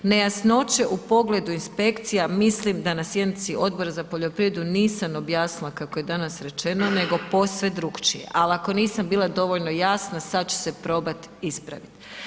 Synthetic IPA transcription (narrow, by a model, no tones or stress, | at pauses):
ne̞jasno̞t͡ʃe̞ʔupo̞ɡle̞d̪uinspe̞kt̪sijamislimd̪anasje̞d̪nit̪sio̞d̪̚bo̞ɾazapoʎo̞pɾiɾed̪uniːsamo̞bjaːsnilˠakako̞je̞d̪anasɾe̞t͡ʃe̞no̞ne̞ɡo̞po̞sʋe̞d̪ɾukt͡ʃḭjḛʔalako̞niːsambiːlˠad̪o̞ʋo̞ʎno̞jaːsnasad̪t͡ɕu̥se̞pɾo̞ːbat̪ | ispɾa̰ʋit̪